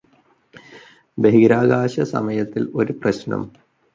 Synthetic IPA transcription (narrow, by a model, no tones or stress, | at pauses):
beɦiɡɾaːɡaːɕɐsɐ̰mɐjɐt̪ːilo̞ɾuprɐɕnɐ̰m